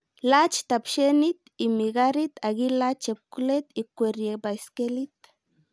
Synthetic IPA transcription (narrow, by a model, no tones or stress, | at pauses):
lat͡ʃt̪apʃenit̪imiɡaɾit̪aɣilat͡ʃep̚kulet̪ikʷeɾjebaiskelit̪